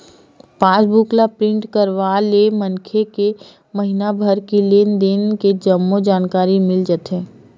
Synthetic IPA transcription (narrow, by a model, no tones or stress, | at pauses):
paːsbuːklapɾɪ̃ɳʈkəɾʋalemənkʰeke | məɦɪnabʱəɾkileːnd̪eːnked͡ʒəmːod͡ʒaːnkaːɾimɪld͡ʒət̪ɦẽː